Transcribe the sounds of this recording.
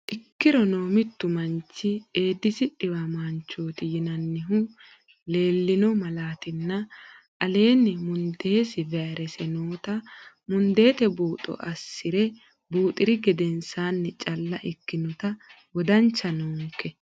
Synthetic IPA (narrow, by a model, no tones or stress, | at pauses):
ʔɪkːɪɾɔno̞ːmɪt̪ːʊmɐnt͡ʃːɪe̞ːd̪ːɪsɪᶑɪwɐmaːnt͡ʃːo̞ːt̪ɪjɪnɐnːɪɦʊ | le̞ːlːɪnɔmɐlaːt̪ɪnːɐ | ʔɐle̞ːnːɪmʊnd̪e̞ːsɪvɛɐɾɛsɛnoːt̪ɐ | mʊnd̪e̞ːt̪ɛbuːt̪ʼɔ̰ʔɐsːɪɾɛ | buːt̪ʼɪɾɪɡɛd̪ɛnsaːnːɛt͡ʃʼɐlːɐʔɪkːɪnɔt̪ɐ | wɔd̪ɐnt͡ʃːɐnuːŋkːɛ